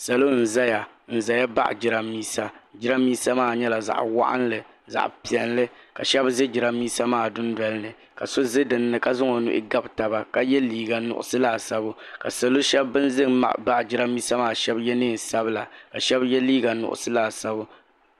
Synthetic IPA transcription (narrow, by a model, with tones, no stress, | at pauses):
sa˨lo˦n̩˨za˦ja˨ | n̩˨za˨ja˦ba̰˦ʔd͡ʒɪ˨ɾa˨miː˦sa˦d͡ʒɪ˦ɾa˦miː˦sa˦maː˦˨ɲɛ˦la˨za̰˨ʔwa̰˦ʔa̰˦nlɨ˨ | za̰˨ʔpi˨ɛ˨nlɨ˦ka̰˨ʃɛ˦bzɨ˦d͡ʒɪ˨ɾa˦mːiː˦sa˦maː˦˨dʊ˦n˦dɔ˨lɨ˦nɨ˨ | ka̰˨so˦zɨ˦dɨ˨nːɨ˨ka˨zʊ˦ŋo˨nʊ̰˦ʔɪ̰˦ɡa˦bta˨ba˨ka˨jɛ˦liː˦ɡa˨nʊ̰˨ʔʊ̰˨sɨ˦laː˦˨sa˦bʊ˦ka˨sa˨lo˦ʃɛ˦bːɨ˦n˦zɨ˦ŋma̰˨ʔba̰˦ʔd͡ʒɪ˦ɾa˦miː˦sa˦maː˦˨ʃɛ˦bjɛ˦nɨː˦˨sa˦bɨ˦la˨ka˨ʃɛ˦bjɛ˦liː˦ɡa˨nʊ̰˨ʔʊ̰˨sɨ˦laː˨sa˦bʊ˦